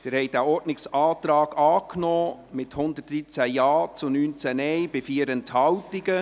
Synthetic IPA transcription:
d̥ɛːɾhɛɪdæːɔɾdnɪksɑːt̪ɾɑːɡ̥ɑːknɔː | mɪthʊnd̪ət̚dɾit͡sæjɑːt͡sʊnyːnt͡sænɛjbɪfiəɾənthɑwtɪɡə

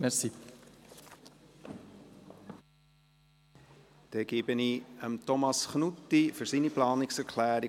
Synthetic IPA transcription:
mɛsi | d̥ɛɡ̥eːbəniəmt̪ɔmɑsχnutːifʏɾsiːniplɑːnɪksɛɾkʰlæːɾi

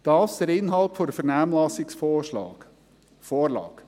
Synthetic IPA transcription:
d̥ɑːsd̥əɾɪnɦɑlpfɔɾəfɛɾnæːmlɑsɪksoːʃlɑ̥ː | foːɾlɑ̰ːɡ̥

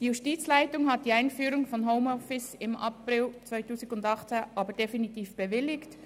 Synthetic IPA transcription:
d̥iːjuʃtiːt͡slaɪtʊŋɦat̚d̥iːaɪnfyːɾʊŋfɔnɦoʊmɔfɪsɪmʔɑ̰prɪlt͡svaɪtuːsɪɡʊndɑχt͡seʔɑːbəd̥efinitiːfb̥əvɪlɪkt

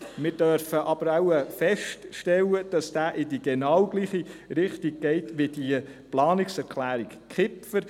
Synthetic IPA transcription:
mɪːɾd̥œɾfəʔɑb̥əɾɑʊəfɛʃtʃtɛlːəd̥ɑsd̥æːʔɪdiɡ̥enɑwɡ̥liːχiɾɪχtiɡ̚ɡ̥ɛɪtʋɪd̥iəplɑːnɪksɛɾkχlæːɾikkχɪpfəɾ

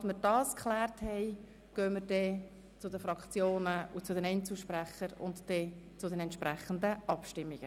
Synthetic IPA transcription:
tməɾd̥ɑːskχlɛːrthɛɪ | ɡ̥øːməɾd̥ɛ | t͡sʊdəfɾɑkt͡sjoːnəut͡sʊdɛnɛnt͡suːʃprɛχəɾʊ̰ntd̥ɛt͡sʊdɛnɛntʃpɾɛχəndəʔɑpʃtɪmːiɡ̥ə

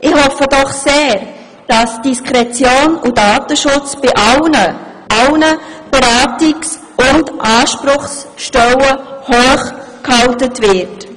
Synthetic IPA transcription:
ʔɪhɔfəd̥ɔχseːɾ | d̥ɑsd̥iskʰɾɛt͡sjoːnudɑːtəʃʊt͡sb̥ɪʔnə | ʔɑlnəb̥əɾaːtɪks | ʔʊndʔɑːʃpɾʊχsʃtɛwəhoːχ | khɑltətvɪɾt

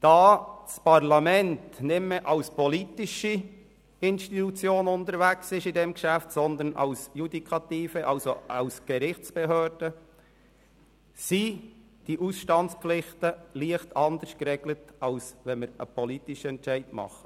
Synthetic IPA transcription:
d̥ɑːspɑʁlɑmɛntnɪmmeʔɑʊspɔliːt̪ɪʃi | ɪnʃtitut͡sjoːnʊnt̪əɾvæksɪʃɪdɛmɡʃæftsɔnd̪ənʔɑ̰ʊsjud̪ikʰɑtiːfəʔɑlsoʔɑʊsɡ̥əɾɪχt͡sb̥eɦøːɾd̥ə | si | d̥iʔusʃtɑntt͡sflɪχtəliəχtɑnd̪əɾskɾɛːɡ̥lətɑlsʋɛnməɾə̰pɔliːtɪʃəɛntt͡ʃæɪtmɑ̰χ

